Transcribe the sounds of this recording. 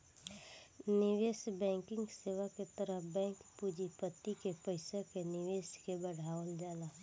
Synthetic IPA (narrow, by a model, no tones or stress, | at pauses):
nɪʋeːsbɛ̃ːŋkɪ̃ŋɡseːʋaket̪əɾəbɛ̃ːŋkpud͡ʒipət̪ːikepəɪsakenɪʋeːskebəɽ̤aːwənd͡ʒaːlaː